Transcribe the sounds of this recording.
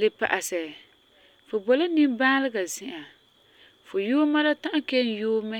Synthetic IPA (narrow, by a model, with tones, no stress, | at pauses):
lɨ˦pa̰˨ʔa˨sɛ˨ | fʊ˨bɔ˨la˦ni˦mbaː˦lɨ˦ɡa˨zɪ˨ʔa˨ | fʊ˨juː˦ma˦la˦tã˦ʔa˦ke˦n˦juː˦mɛ˦